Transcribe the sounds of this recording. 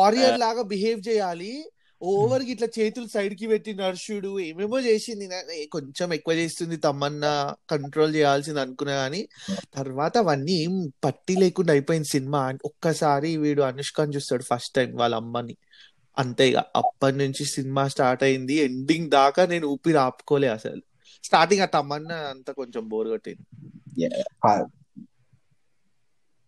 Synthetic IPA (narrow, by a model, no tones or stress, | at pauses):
aːɾijɐɾlaːɡaːbiɦeːʋt͡ʃɛːjaːli | ɔːʋɐɾiɡiʈlɐt͡ʃe̞ːt̪ulusɐjɖk̬ipeʈːinaɾʃuɽueːmeːmoːt͡ʃeːsind̪inenko̞ɲt͡ʃemekːuʋɐt͡ʃe̞ːst̪und̪it̪ɐmːɐnːɐkɐɳʈɾo̞ːlt͡ʃɛːjaːls̬ind̪ɐnukunːaːaːnit̪ɐɾʋaːt̪ɐʋɐnːipɐʈːile̞ːkuɳɖaɐjpoːjind̪isinimaːniɔkːɐsaːɾiʋiːɽuɐnuʂkaːnit͡ʃuːst̪aːɽupʰɐsʈːɐjmʋaːɭɐmːɐni | ɐnt̪ɐjɡa̰ːʔɐ̰pːɐʈnuɲt͡ʃisinimaːsʈaːɾʈɐjind̪ieɳɖiŋɡd̪aːkane̞ːnuuːpiɾaːpu̥kɔːleːɐsɐ̰lu | sʈaːɾʈiŋɡaːt̪ɐmɐnːɐɐnt̪ɐkoɲt͡ʃemboːɾuɡɐʈːḭnd̪i